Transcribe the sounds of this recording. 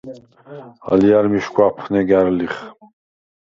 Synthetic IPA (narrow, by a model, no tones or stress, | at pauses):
a̰lijaɾmiʃkʷʼapʰχnɛɡæɾliχ